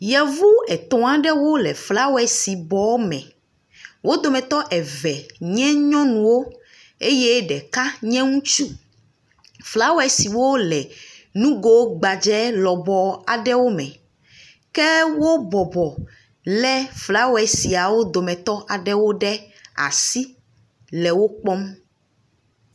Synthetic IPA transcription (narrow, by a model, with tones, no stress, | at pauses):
jɛ˨vu˦ɛ˨t̪ɔ̃˨a˨ɖɛ˦wo˦lɛ˨fla˦wɛ˨si˨bɔ˨˦mɛ̰̃˨ | wo˦d̪o˨mɛ̃˨t̪ɔ˦ʔɛ˨vɛ˨ɲɛ̃˦ɲɔ̃˦nũ˨wo˦ | e˦jɛ˦ɖɛ˨ka˦ɲɛ̃˦ŋũ˦t͡ʃu˦ | fla˦wɛ˨si˨wo˦lɛ˨nũ˦ɡo˦ɡ͡ba˨d͡ʒɛ˦lɔ˨bɔ˨a˨ɖɛ˦wo˦mɛ̰̃˨ | kɛ˦wo˦bɔ˨bɔ˨ | lɛ˦fla˦wo˦ɛ˨si˨a˨wo˦d̪o˨mɛ̃˨t̪ɔ˦ʔa˨ɖɛ˦wo˦ɖɛ˦ | a̰˨si˦ | lɛ˨wo˦k͡pɔ˦m